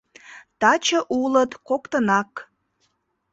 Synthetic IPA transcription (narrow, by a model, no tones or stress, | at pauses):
t̪ɑt͡ɕəʔulət̪kokt̪ənɑk